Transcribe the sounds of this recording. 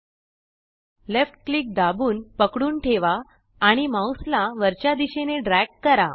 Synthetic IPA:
lefʈkliːk̚d̪abuːnpəkɽuːnʈʰeʋaː | ɽ̃imawslaʋəɾt͡ɕjad̪iɕeneɖɾæɡ̚ʈ̚kəɾa

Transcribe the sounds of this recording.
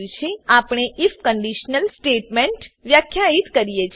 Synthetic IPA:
lt͡ʃʰeapɳ̃eʔifkəɳɖiʃnəlsʈeʈmeɳʈʋjakʰːjaɦit̪kəɾijet͡ʃʰ

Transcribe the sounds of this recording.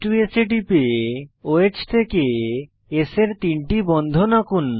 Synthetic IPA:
ʈueseʈipeoet͡ɕt̪ʰeke | eseɾt̪iɳʈibɔnd̪ʱonakun

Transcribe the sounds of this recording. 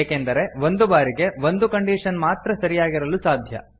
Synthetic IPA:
eːkend̪ɐɾe̞ʋo̞nd̪ubaːɾiɡe̞ʋo̞nd̪ukɐɳɖiːʂɐnmaːt̪ɾɐsɐɾijaːɡiɾɐlusaːd̪ʱjɐ̰

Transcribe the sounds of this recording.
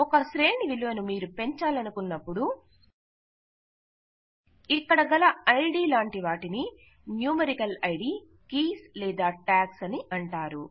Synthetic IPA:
ɔkɐsɾe̞ːɳiʋiluʋɐnumiːɾupe̞ɲt͡ʃaːlɐnukunːɐpːuɽu | ikːɐɽɐɡɐlɐɐjɖiːlaːɳʈiʋaːʈini | njuːmɐɾikɐlɐjɖiː | kiːslɛːd̪aːʈaːksɐniʔɐɳʈaːɾu

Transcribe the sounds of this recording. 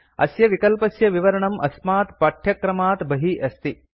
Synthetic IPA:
ɐ̰sjɐʋikɐlpɐsjɐʋiʋɐɾɐɳɐmʔɐsmaːt̪pɐʈʰjɐkɾɐmaːt̪bɐɦiʔɐst̪i

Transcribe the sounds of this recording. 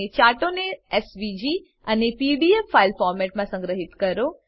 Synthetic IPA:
et͡ɕaʈoneesʋid͡ʑi | ənepiɖiefːailfɔːɾmɛʈ̚mãsə̃ŋɡɾəɦɪt̪kəɾo

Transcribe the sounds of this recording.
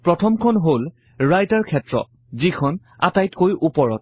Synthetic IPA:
pɹɔtʰɔmkʰɔnɦol | ɹajtaɹkʰɛtɹɔ̰ | zikʰɔn | a̰tajtkojʔupɔɹɔt̚

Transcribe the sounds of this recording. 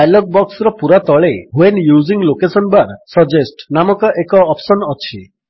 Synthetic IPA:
ajlɔɡ̚bɔksɾɔpuɾat̪ɔɭeɦuenjuziŋlokesɔnbaɾsɔd͡ʒesʈnamɔkɔʔekɔːpsɔnɔt͡ʃʰi

